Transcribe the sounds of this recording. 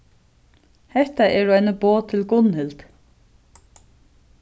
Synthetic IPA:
hɛht̪aʔɛɾajnaboːt̪ʰɪlɡʊnhɪlt̪

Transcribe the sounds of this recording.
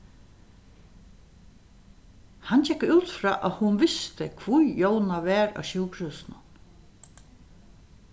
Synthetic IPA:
hant͡ʃɛkːʉːt̪fɾa̰ːʔaðhʊnʋɪst̪ɪkʰvujjownaʋɛːɾa̰ɕuːkɾuːsnʊn

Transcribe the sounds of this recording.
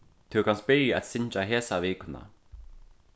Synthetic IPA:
t̪ʰuwkʰanst̪̚bɪɾjɪɛ̰t̪sɪɲt͡ʃaɦeːsaviːkʏna̰

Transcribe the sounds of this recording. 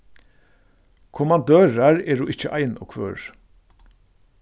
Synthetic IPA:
kʰʊmand̪øːɹaɹɛːɹuʔɪt͡ʃːəʔa̰jnɔ̰kʰʋø̰ːɹ

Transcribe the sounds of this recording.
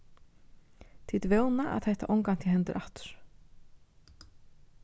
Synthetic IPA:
θʰiːt̪veːwnaʔa̰ðhajht̪a̰ʔowŋkan̥ʰɪlɦɛnt̪ɪɾʔaht̪ʏ̥ɾ̥

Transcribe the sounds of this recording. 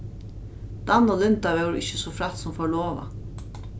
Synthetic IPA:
d̪̥ɑnɔlʏnt̪ɑʋɛɾ̰ʔɪ̰çəsɔfɾɑt̪sɔmfoːɭoːʋɑ̰

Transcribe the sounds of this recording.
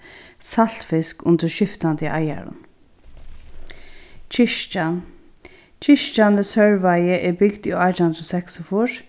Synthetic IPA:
sal̥t̪fɪskʊnd̪əɾʃɪft̪and̪ɪʔaja̰ɹʊ̰n | t͡ʃʰɪʃt͡ʃand̪əsœɹʋajəʔɛbɪɡd̪iɔajt̪hʊnd̪ɾɔsɛksɔfʊɹ

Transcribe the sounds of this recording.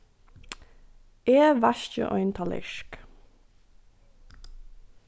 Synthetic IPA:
eːʋæʃçə̰ʔɔ̰ʏnt̪ʰɑlɪ̰ʃk

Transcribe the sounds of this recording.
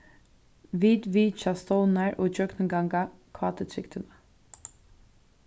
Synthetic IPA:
ʋiːd̪ʋiːt͡ʃast̪ɔwnaɹoːd͡ʒœknɪŋɡaŋɡakʰvaːt̪ət̪ʰɾɪkt̪ʰɪnə

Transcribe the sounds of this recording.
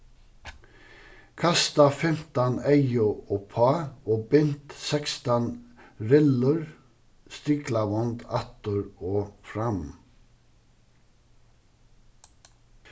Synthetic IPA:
kʰɑst̪ɑfɪmt̪ɑnæɪʊoːpʰɑːoːbʏnt̪sɛkst̪ɑnɾɪləɹ | st̪iːklɑʋɔnd̪ɑt̪əɹoːfɾɑm

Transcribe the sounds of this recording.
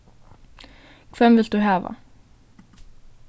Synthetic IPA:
kʰvɛmvɪlt̪̚d̪ʉɦɑːva̰

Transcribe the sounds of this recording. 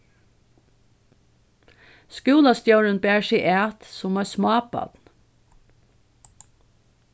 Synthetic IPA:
skʉːlast̪jœwɾənbæːɹsiɪʔæːt̪sʊmɑsmɑːpɑ̰t̪n

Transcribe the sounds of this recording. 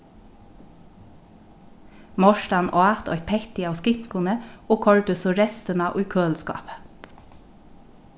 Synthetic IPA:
mɔʃʈɑnʔoːɑt̪ɔ̰ʏt̪̚pʰɛçt̪ɪɑːskɪŋkʊnəʔoːkʰɔɹɖʉsoːɾɛst̪ənɑːʔʉːkʰøːlskɑ̰ːpə

